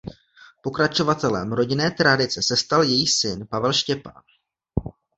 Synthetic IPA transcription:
po̞kɾat͡ʃo̞vat̪ɛlɛmɾo̞ɟɪnɛːt̪ɾadɪt͡sɛsɛst̪aljɛjisɪnpavɛlʃcɛpa̰ːn

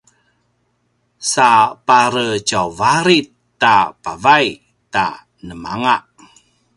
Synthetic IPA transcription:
sapaɾət͡ʃawvaɾitː | apavaj | t̪a̰ | nəma̰ŋaʔ

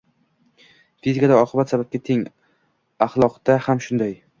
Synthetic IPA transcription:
fizikʰad̪aɒqʰɨbat̪sabap̚kʲat̪ʰeŋ | aχlˠɒqd̪̥ahamʃʊnd̪aj

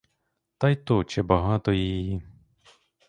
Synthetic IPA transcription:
t̪ɑjt̪ɔt͡ʃɛbɐɦɑt̪ɔjiji

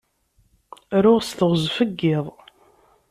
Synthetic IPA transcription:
ɾʊʁsθəʁzfəɡːɪðˤ

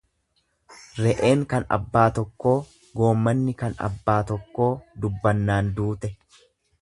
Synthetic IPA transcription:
ɾɛʔe̞ːŋkɐnɐ̰bːaːt̪ɔkːo̞ː | ɡo̞ːmːɐnːɪkɐnɐ̰bːaːt̪ɔkːo̞ːd̪ʊbːɐnːaːnd̪uːt̪ɛ

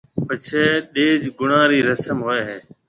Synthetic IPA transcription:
pət͡ʃʰeːɗeːd͡ʒɡʊɳãːɾiːɾəsəmɦoːeːɦeː

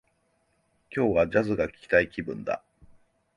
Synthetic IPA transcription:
kʲo̞ːβad͡ʑazɨɡakʲi̥kʲi̥t̪aikʲibɯ̟̃nd̪a̰

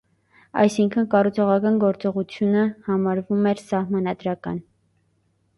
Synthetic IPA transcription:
ɑ̰jsiŋkʰənkɑrut͡sʰɔʁɑkɑnɡɔɾt͡sɔʁut͡sʰjunəhɑmɑɾvumɛɾsɑhmɑnɑd̪ɾɑkɑ̰n

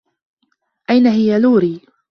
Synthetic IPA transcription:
ʔajnaɦɪjaluːɾiː

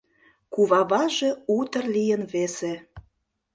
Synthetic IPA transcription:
kuβɑβɑʒeut̪ə̆rlijənβese

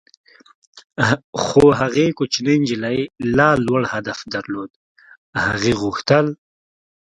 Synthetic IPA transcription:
xoɦaɣekot͡ʃnend͡ʒilajlɑːlwaɽhad̪afd̪aɾloːd̪ | haɣeɣʊxt̪əl

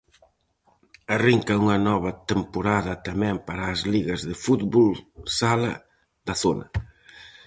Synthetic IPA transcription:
ariŋkɐuŋɐnɔβɐt̪empoɾaðɐt̪ɐmɛ̃mpaɾɐːzliɣɐzðɪfut̪βolsalɐ̰ | ðɐθonɐ̰

